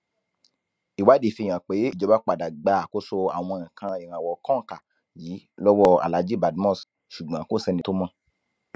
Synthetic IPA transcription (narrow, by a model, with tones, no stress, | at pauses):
i˨wa˨˦de˨fĩ˧˨ã˨k͡pe˨˦i˦˨d͡ʒɔ˨˦ba˦k͡pa˨da˨ɡ͡ba˧˦a˨ko˦so˧a̰˨w̃ɔ̃˧ã˨kʰã˧i˨ɾ̃ã˨wɔ˨kɔ̃˦ŋ˨ka˨ | jiː˨˦lɔ˦wɔ˦a̰˨la˨˦d͡ʒi˦˨ba˨dmɔ̃˦˨s | ʃu˨ɡ͡bã˨˦ko˦˨sɛ˧nĩ˧to˦mɔ̃˦